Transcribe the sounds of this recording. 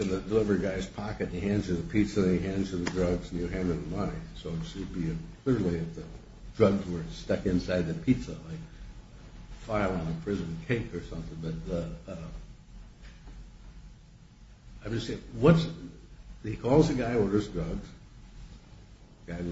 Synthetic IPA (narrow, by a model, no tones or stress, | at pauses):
ɨ̃nðɨdəlɪvə˞ɡaɪz̥pʰɑkɨt̚ɨhæ̃nzɨðɨpʰitsɨiɦæ̃nz̥ɨ˞ðɨdɹʌɡzn̩jɨɦæ̃ndəəmʌnisoʊɨsɨbiɨkʰl̥ɪɹlˠiɨfðɨ | dɹʌɡzwə˞stʌkɨ̃nsaɪd̪̚ðɨpʰitsəlaɪk | faɪlˠə̃nəpʰɹ̥ɪzɨ̃nkʰeɪkə˞sʌ̃mθɪ̃ŋbʌt̪̚əʌ | aɪɨseɪwʌts | hikʰɔlˠzɨɡaɪɔɹə˞zdɹʌɡz̥ | ɡaɪ